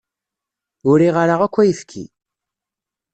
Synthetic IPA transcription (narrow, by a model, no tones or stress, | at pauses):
ʊɾiʁəɾaʁækʷːæjəfkʰḭ